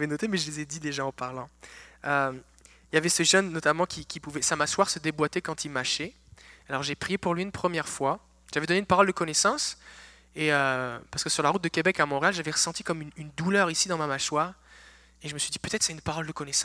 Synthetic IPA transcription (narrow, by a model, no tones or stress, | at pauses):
vɛnɔt̪emɛʒəlezɛd̪id̪eʒaɑ̃paʁlɑ̃ø | iljavɛsəʒœnːɔt̪amɑ̃kʲikʲipuvɛsamaʃwaʁsəd̪ebwat̪ɛkɑ̃t̪ʰilmaʃɛ | alɔʁʒepχijepuʁlɥiynpχəmjɛʁfwa | ʒ̥avɛd̪ɔneynpaʁɔld̪əkɔnɛsɑ̃s | eøpaʁsəkəsyʁlaʁut̪̚d̪əkʲebɛkamɔ̃ʁealʒavɛʁəsɑ̃t̪ikɔmynynd̪ulœʁisid̪ɑ̃mamaʃwaːʁ | eʒəməsɥid̪ipøt̪ɛt̪χsɛynpaʁɔld̪əkɔnɛsɑ̃